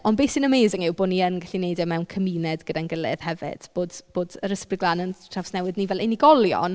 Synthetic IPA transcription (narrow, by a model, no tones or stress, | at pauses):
ɔnbesɪnəmejzɪŋɪwboːniənɡaɬinejdɛmɛwnkʰəmiːnɛdɡədanɡəlˠɪ̰ð̥hɛvɪ̰d̥b̥oːdb̥oːdəɾəsprɪɡlˠanənʰravsnɛwɨdnivɛlˠɛniɡɔlˠjɔ̰n